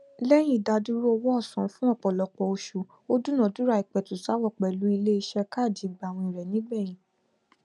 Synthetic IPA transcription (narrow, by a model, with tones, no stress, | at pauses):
lɛ˦j̃ĩ˦˨da˧du˦ɾu˦ɔ˧wɔ˦ɔ˦˨sɔ̃˨˦fũ˦ɔ˦˨k͡pɔ˨lɔ˨k͡pɔ˧o˧ʃu˨ | o˦du˦nã˨du˦ɾa˦i˨k͡pɛ˨tu˨sa˨˦wɔ˦˨k͡pɛ˨lu˨˦i˧le˦i˧˦ʃɛ˧ka˦˨d͡ʒi˨˦ɡ͡ba˨w̃ɔ̃˧ĩ˨ɾɛ˨nĩ˦ɡ͡bɛ˦˨j̃ĩ˨